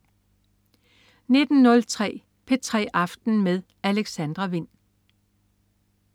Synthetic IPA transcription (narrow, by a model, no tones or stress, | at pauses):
ne̝d̥n̩ːɔ̽lt͡sʰʁɛ̰ː | pʰe̝t͡sʰʁɛ̰ːʔɑ̈fd̥n̩meðˠ | æleɡ̥sænd̥ʁɐʋe̝n̰